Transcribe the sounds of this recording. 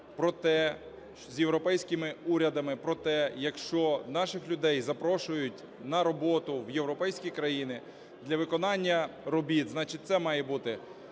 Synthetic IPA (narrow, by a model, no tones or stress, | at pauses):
pɾɔt̪ɛ | zʲjewɾɔpɛjsʲkɪmɪuɾʲɐd̪ɐmɪpɾɔt̪ɛjɐkʃt͡ʃɔnɑʃɪxlʲʊd̪ɛjzɐpɾɔʃʊjʊtʲ | nɐɾɔbɔt̪ʊwjewɾɔpɛjsʲkʲijkɾɐjinɪ | d̪lʲɐʋɪkɔnɑnʲːɐɾɔbʲit̪znɑt͡ʃɪt̚ʲt̪sɛmɑjɛbut̪ɪ